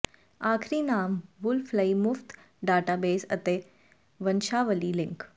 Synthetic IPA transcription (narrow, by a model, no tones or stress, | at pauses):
aːkʰɾiːnaːmʋʊlfʰlɐimʊft̪ | ɖaːʈaːbeːsɐ̰t̪e | ʋɐnʃaːʋəlilɪ̃ŋk